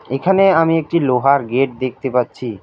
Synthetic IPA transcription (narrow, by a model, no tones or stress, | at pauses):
ekʰaneamiek̚ʈiloɦaɾɡeʈ̚d̪ek̚ʰt̪epatːɕʰi